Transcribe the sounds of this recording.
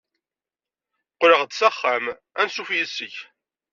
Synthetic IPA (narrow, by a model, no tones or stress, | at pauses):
qːɾəʁd̪sæχːæm | ænsufjəsːəç